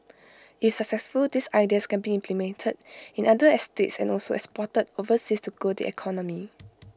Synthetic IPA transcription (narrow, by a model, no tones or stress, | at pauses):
ifsək̚sɛsfuldisajdiəskɛ̃nbiĩmpʰlimɛ̃ntʰəd̚ĩnadəɛstetsɛ̰̃nɔlsoɛ̰kspɔtədovəsistuɡodḭɛ̰kʰɔnɔ̃mi